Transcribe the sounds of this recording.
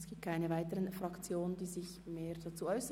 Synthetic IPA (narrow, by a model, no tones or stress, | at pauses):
sɡ̥iːptkʰaɪnəvaɪtəʁənfʁakt͡sjoːnənd̥iːzɪç | meːʁd̥at͡suːɔʏsə